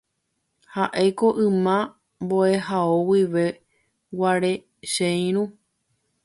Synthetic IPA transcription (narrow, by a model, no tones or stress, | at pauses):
haʔejko̞ʔɨ̃mã | mbo̞e̞ɦaowiʋe | waɾe̞ | ʃẽj̃ɾ̃ũ